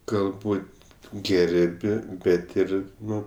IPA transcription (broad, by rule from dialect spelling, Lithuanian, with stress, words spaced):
ɡɐlˠˈbuːtʲ ˈɡʲɛrʲpʲ ˈbʲɛt ˈɪr ˈnʊ